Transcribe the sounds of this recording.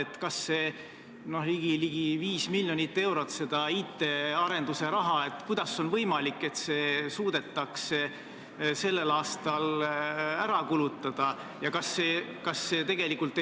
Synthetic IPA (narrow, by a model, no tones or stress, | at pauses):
et̪kɑsːe̞ | no̞hliɡ̥iliɡ̥iviːsmilʲjonit̪ːe̞wɾo̞t̪ːse̞d̪̥ɑiːt̪ːˑe̞ɑɾe̞nd̪̥use̞ɾɑɦɑe̞t̪ːkujd̪̥ɑso̞nvɤ̞jmɑlikːˑe̞t̪se̞ːsuːd̪̥e̞t̪ːˑɑks | se̞lːe̞lɑːst̪ɑl | æɾɑkulut̪ːˑɑd̪̥ɑ | jɑkɑsːeːkɑsːe̞t̪e̞ɡ̥e̞likːult̪ːˑ